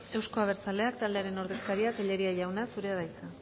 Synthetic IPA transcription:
e̞wsko̞aβ̞e̞ɾt͡sale̞akt̪ald̪e̞aɾe̞no̞ɾðe̞skaɾiat̪eʎe̞ɾiaʝawnasuɾe̞að̞ajt͡sa

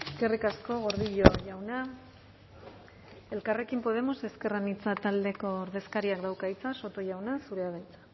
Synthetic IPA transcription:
eske̞rikasko̞ɣo̞ɾðiʎoʝawna | e̞lkare̞kimpo̞ð̞e̞mo̞se̞ske̞ranit͡sat̪ald̪e̞ko̞ːɾðe̞skaɾiakd̪awkait͡saso̞t̪o̞ʝawnasuɾeaðajt͡sḁ

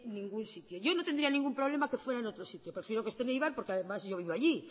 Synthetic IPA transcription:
nĩŋɡunsit̪joʝo̞no̞t̪end̪ɾianĩŋɡumpɾoβ̞le̞makefweɾaenot̪ɾosit̪jopɾefjeɾokest̪enejβaɾpoɾkeaðe̞mazʝo̞β̞iβoaʝi

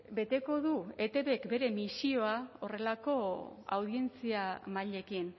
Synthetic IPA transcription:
be̞t̪e̞ko̞ðue̞t̪e̞βe̞kbe̞ɾe̞misio̞ao̞re̞lako̞a̰wð̞ie̞nt͡siamaʎe̞kin

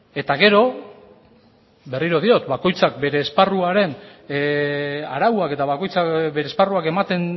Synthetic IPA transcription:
e̞t̪aɣe̞ɾo̞ | be̞riɾo̞ð̞io̞t̪bako̞jt͡sakbe̞ɾe̞ːsparuaɾe̞n | aɾawake̞t̪aβako̞jt͡sabeɾeːsparuake̞mat̪e̞n

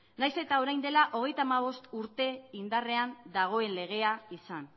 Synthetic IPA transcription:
najse̞t̪ao̞ɾajnd̪elaʔo̞ɣ̞e̞jt̪aːmaβ̞o̞st̪uɾt̪e̞ind̪are̞and̪aɣ̞o̞e̞nle̞ɣ̞e̞aisan

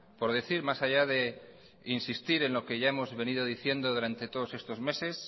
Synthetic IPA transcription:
po̞ɾðeθiɾmasaʝaðe̞ | insist̪iɾe̞nlo̞ke̞ʝae̞mo̞zβe̞nið̞o̞ð̞iθje̞nd̪oðuɾant̪e̞t̪o̞ð̞o̞se̞st̪o̞zme̞se̞s

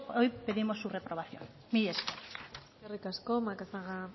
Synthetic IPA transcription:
ojpe̞ðimo̞sːure̞pɾo̞β̞aθjo̞̰n | miʎeske | kerikasko̞makasaɣa

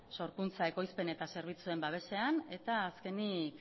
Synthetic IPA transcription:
so̞ɾkunt͡saeko̞jspe̞ne̞t̪ase̞ɾβ̞it͡sue̞mbaβ̞e̞se̞ane̞t̪aːske̞nik

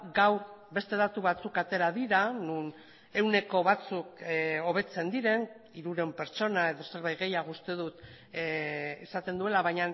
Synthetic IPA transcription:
ɡawɾbe̞st̪e̞ðat̪uβat͡sukat̪e̞ɾað̞iɾanun | e̞wne̞ko̞βat͡suko̞β̞e̞t͡se̞nd̪iɾe̞n | iɾuɾe̞mpe̞ɾt͡ʃo̞nae̞ðo̞se̞ɾβajɣe̞jaɣust̪e̞ðut̪ | esat̪e̞nd̪ue̞laβaɲan

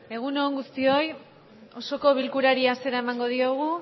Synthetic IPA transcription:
e̞ɣuno̞ːŋɡust̪io̞j | o̞so̞ko̞β̞ilkuɾaɾiase̞ɾae̞maŋɡo̞ðioɣ̞u

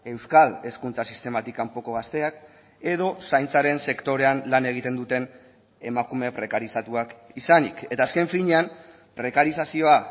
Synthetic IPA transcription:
e̞wskale̞skunt͡sasist̪e̞mat̪ikampo̞ko̞ɣast̪e̞ak | e̞ð̞o̞sajnt͡saɾe̞nse̞kt̪o̞ɾe̞anlane̞ɣ̞it̪e̞nd̪ut̪e̞n | e̞makume̞pɾe̞kaɾisat̪uakisanḭke̞t̪aːske̞ɱfiɲeam | pɾe̞kaɾisasio̞a

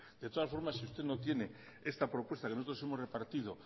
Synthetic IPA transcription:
d̪et̪o̞ðasfo̞ɾmasiust̪enot̪jene | est̪apɾo̞pwe̞st̪akensot̪ɾo̞se̞mo̞zre̞paɾt̪ið̞o

